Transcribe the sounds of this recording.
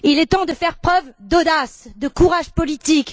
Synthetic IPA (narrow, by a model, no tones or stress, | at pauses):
ilɛt̪ɑ̃d̪əfɛʁpχœvd̪od̪asd̪əkuʁaʒpɔlit̪ik